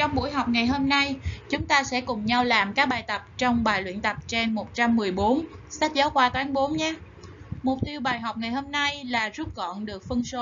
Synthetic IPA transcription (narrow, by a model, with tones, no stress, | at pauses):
t͡ɕɔ˧wŋ͡mɓṵ˧˩əjɦa˨˩wk͡p̚ŋa˨˩jɦo˧mna˧jt͡ɕʊ˨˦ŋ͡mt̪aː˧sɛ̰˧˥kʊ˨˩ŋ͡mɲa˧wlaː˨˩mkaː˦˥k̚ɓaː˨˩jt̪ə˨˩p̚t͡ɕɔ˧wŋ͡mɓaː˨˩jlwḭ˧˨nt̪ə˨˩p̚t͡ɕa˧ŋmo˨˩t̚t͡ɕa˧mːɨ˨˩əjɓo˨˦nsa˦˥k̚zaː˨˦wkwaː˧t̪waː˨˦nɓo˨˦nɲaː˨˦˥ | mʊ˨˩k͡p̚t̪i˧əwɓaː˨˩jɦa˨˩wk͡p̚ŋa˨˩jho˧mna˧jlaː˨˩zu˦˥t̚ɣɔ̰˧˨nɗɨ˨˩ək̚fɨ˧ŋso˧˦